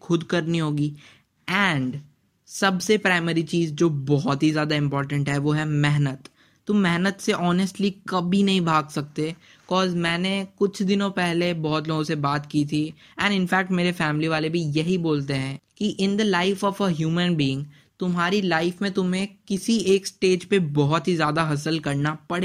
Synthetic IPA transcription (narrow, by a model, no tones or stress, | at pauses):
xʰʊd̪kɐɾniɦoːɡi | ɛ̃ːɳɖ | sɐbsepɾaːɪmɛːɾit͡ʃiːzd͡ʒoːbɔɦɔt̪ɦizjaːd̪aɪ̃mpɔːɾʈə̃ɳʈɦɛʋoɦɛmɛɦnət̪ː | ʊmːɛɦnət̪seʔɔːnəsʈlikɐbʱinɐɦĩbʱaːɡsɐk̚t̪e | ɪkɔːzmɛ̃ːnekʊt͡ʃʰd̪ɪnõpɛɦlebɔɦɔt̪loːɡõsebaːt̪kit̪ʰi | ɛ̃ːnɪnfɛːk̚ʈmeːɾefɛːmliʋaːlebʱijɐɦiboːlt̪eɦɛ̃ːkiʔɪ̃nd̪əlaɪfɔːfəɦjuːmə̃nbiːɪ̃ŋɡ | t̪ʊmɦaːɾilaɪfmẽt̪ʊmɦẽkɪsieːksʈeːd͡ʒpebɔɦɔt̪ɦizjaːd̪aɦɐs̬əlkɐɾnapɐɽeː